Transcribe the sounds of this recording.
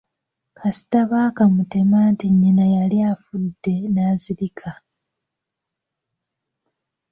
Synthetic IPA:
kʰasi̥taβaːkamute̞maːntiɲːinajaliafudːe̞naːziɾikʰa

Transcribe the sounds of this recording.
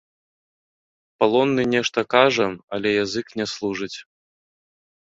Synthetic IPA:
palˠɔnːɨnʲɛʂt̪ɐkaʐɐɐlʲɛjazɨknʲɛslˠuʐɨt͡sʲ

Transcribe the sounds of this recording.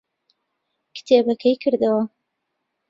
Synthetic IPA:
kɨ̥t̪ʰebɐkʰɐjkʰɨɾd̪ɐwɐ

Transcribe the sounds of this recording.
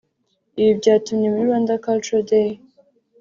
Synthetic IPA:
iβibɟaːtumɲemuiɾwãnd̪akaltode

